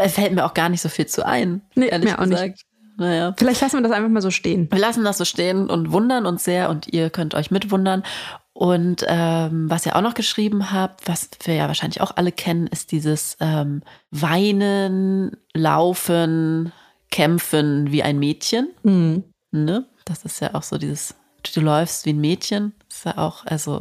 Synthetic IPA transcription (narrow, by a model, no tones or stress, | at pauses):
ʔɛfɛltmiːɐaʊxɡ̥aːɐnɪçtz̥oːfiːlt͡sṵːʔa̰ɪnneʔeːɐlːɐʔa̰ɡnɪaːk̚t | najaːfɪlaɪçtlasn̩viːɐdasʔaɪnfaχmaːlzoːʃteːənviːɐlasn̩dasz̥oːʃteːənʔʊ̰ntv̥ʊndɐnʊnsz̥eːɐʔʊntiːɐkʰœntʔɔ̰ʏçmɪtv̥ʊndɐnʔʊntʔɛːmvasiːɐʔa̰ʊxnɔχɡ̥əʃʁ̥iːbm̩ɦaːp̚tv̥asviːɐja̰ːvaːɐʃaɪnlɪçʔa̰ʊxʔaləkʰɛnənʔɪst̚d̥iːzəsʔɛːmvaɪnənla̰ʊfən | kʰɛmfənviːʔa̰ɪnmeːtçən̩h̩ | nəd̥asɪstja̰ːʔaʊxz̥o̰ːdiːzəs | d̥d̥uːlɔʏfstv̥iːnmeːtçənstja̰ːʔa̰ʊxʔa̰lzo̰